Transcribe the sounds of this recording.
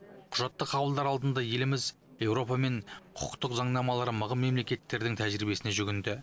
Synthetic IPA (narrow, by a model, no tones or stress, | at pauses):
qʰʊʒɑt̪ːəqʰːɑbəlˠd̪ɑɾɑlˠd̪ənd̪ɑje̞lɪmɪz | je̞wɾo̞pɑme̞ɴqʰʊ̥̰qt̪əqzɑɴnɑmɑlˠɑɾəməʁəmmːe̞mle̞kʲe̞t̪ːe̞ɾd̪ɪŋt̪ʰæʒɾibe̞sɪneʒʏɡʲɪnd̪ɪ